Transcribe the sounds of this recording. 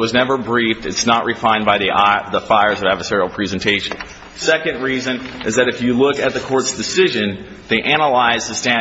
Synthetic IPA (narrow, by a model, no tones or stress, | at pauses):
wʌznɛvə˞bɹiftɨtsnəʔɹʔɨfãɪ̃nbaɪðiʔðəfaɪə˞zʌvædvə˞sɛɹil̩ˠpʰɹ̥izɨ̃n̩tʰeɪʃɨ̃n | sɛkɨ̃ndɹizɨ̃nʔɨzðɨɾɨfjɨlʊkɨt̪̚ðɨkʰɔɹtsd̥ɨsɪʒɨ̃n | ðeɪʔæ̃nəlaɪzðɨstæ̃